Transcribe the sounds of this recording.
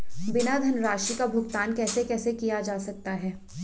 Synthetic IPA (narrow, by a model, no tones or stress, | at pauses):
bɪnad̪ʱɐnɾaːʃikabʱʊɡt̪aːnkɛːsekɛːsekijad͡ʒaːsɐk̚t̪aɦɛː